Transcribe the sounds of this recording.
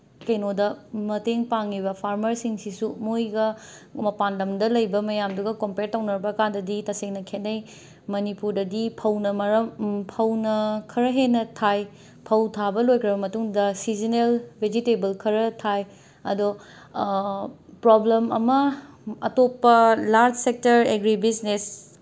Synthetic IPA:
kɐjnodɐmɐteŋpaŋibɐpʰaɾmɐɾsiŋsisumojɡɐmɐpandɐmdɐlɐjbɐmɐjamduɡɐkompeɾtɐwnɐɾbɐːkandɐditɐseŋnɐkʰetnːɐj | mɐnipuɾdɐdipʰɐwnɐmɐɾɐpʰɐwnɐkʰɐɾɐɦenːɐtʰaj | pʰɐwtʰabɐlojkʰɾɐbɐmɐtuŋdɐsizinelbʱed͡ʒitebɐlkʰɐɾɐtʰaj | ɐdo | pɾoblemɐ̰mɐɐ̰topːɐlaɾd͡ʒsek̚tɐɾeɡɾibisnes

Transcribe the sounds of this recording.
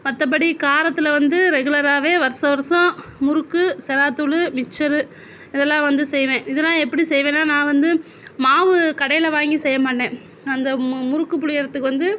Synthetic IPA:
mɐt̪ːɐp̬ɐɽikaːɾɐt̪ːɯlɐʋɐnd̪ɯɾɛɣɯɭɐɾaːʋeːʋɐɾsɐʋɐɾsɔ̃mʊɾɯkːɯsɛɾaːt̪ːulɯmɪt͡ʃːɐɾɯ | ɪðɛlːãːʋɐnd̪ɯsɛjʋẽːɪðɛlːãːɛpːɐɽisɛjʋẽːnːaːnãːʋɐnd̪ɯ | maːʋɯkɐɽɐjɪlɐʋaːŋɡisɛjːɐmaːʈːẽː | ɐnd̪ɐmʊɾɯkːɯpʊɭɪjɐɾɐt̪ːɯkːɯʋɐnd̪ɯ

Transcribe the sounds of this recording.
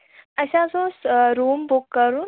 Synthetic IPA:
əɕãsɔ̃sɾuːmbukːəɾuːn

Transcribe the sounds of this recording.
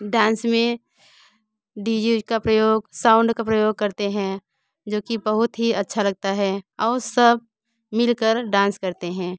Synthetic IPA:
ɖãːnsmẽ | ɖiːd͡ʒukapɾəjoːɡsaːʊ̃ɳɖkapɾəjoːɡ̚kɐɾt̪eɦɛ̃ | d͡ʒoːkibɐɦʊt̪ɦiɐtːʃʰalɐɡ̚t̪aɦɛɔːɾsəb̚ | mɪlkəɾɖãːnskɐɾt̪eɦɛ̃ː

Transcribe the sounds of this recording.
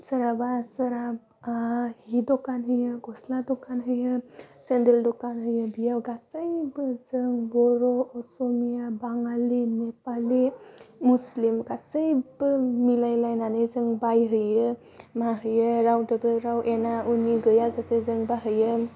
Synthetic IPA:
səɾabasəɾab | hidɔkanɦɯjɯɡɔsladɔkanɦɯjɯsendeldɔkanɦɯjɯbijawɡasajbəzɯŋbɔɾɔɔsɔmijabaŋalimepalimuslimɡasəjbɯmilajlajnanɯjzɯŋbajɦɯjɯ | maɦɯjɯɾawdɯbɯɾawʔenauniɡɯjazasejzɯŋbaɦɯjɯ

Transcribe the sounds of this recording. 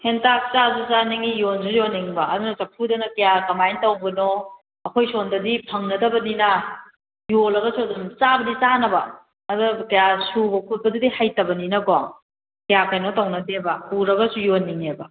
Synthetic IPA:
hentak̚t͡ʃazut͡ʃaniŋijonsujonːiŋbɐɐdunɐsɐpʰudɐnɐkɐjakɐmajntɐwbɐno | ɐkʰojsondɐdipʰɐŋnɐdɐbɐninɐ | jolɐɡɐsuɐdumt͡ʃabɐdit͡ʃanɐbɐ | ɐdukɐjasubɐkʰut̚pɐdudihajtɐbɐninɐɡaŋ | kɐjakʰajnotɐwnɐdebɐpuɾɐɡɐsujonːiŋebɐ

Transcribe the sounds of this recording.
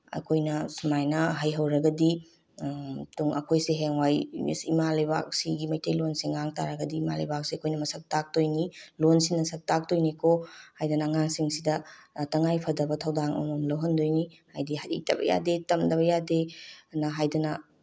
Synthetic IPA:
ɐ̰kʰojnɐsumajnɐɦɐjɦɐwɾɐɡɐdi | tuŋɐ̰kʰojseɦeŋwaj̰simalɐjba̰k̚siɡimɐjtʰɐjlonsiŋːaŋta̰ɾɐɡɐdiːma̰lɐ̰jbak̚siɐkʰojnɐmɐsɐk̚tak̚tojnilonsinɐsɐk̚tak̚tojnekʰohajdɐnɐŋaŋsiŋsidɐtɐŋajpʰɐdɐbɐtʰɐwdaŋo̰mɐmlɐwɦɐndojni | hajdiɦaɾḭk̚tʰɐbɐ̰ja̰detɐmdɐβɐjadenɐɦajdɐnɐ

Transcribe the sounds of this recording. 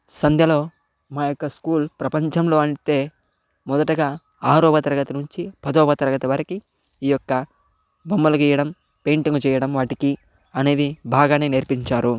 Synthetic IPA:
sɐnd̪ʱjɐlo̞ː | maːjɔkːɐskuːlpɾɐpɐɲt͡ʃɐmlo̞ːɐɳt̪e̞ː | mɔd̪ɐʈɐɡaː | aːɾɔːbɐt̪ɐɾɐɡɐt̪ɐnuɲt͡ʃipɐd̪ɔːbɐt̪ɐɾɐɡɐt̪ɐʋɐɾɐki | iːjɔkːɐ | bɐmːɐlɐɡiːjɐɽɐm | pe̞ːɳʈiŋɡut͡ʃɛːjɐɽɐmʋaːʈiki | ɐneːdibʱaːɡaːneːneɾpiɲt͡ʃaːɾu

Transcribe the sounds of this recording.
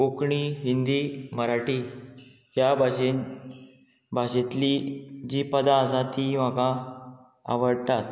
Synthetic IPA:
okɳiɦind̪iːməɾaʈiː | jabaɕe | bʱaɕet̪lid͡ʑiːpəd̪ãəsãt̪iːm̤akã | a̰ʋəɽt̪at̪̚

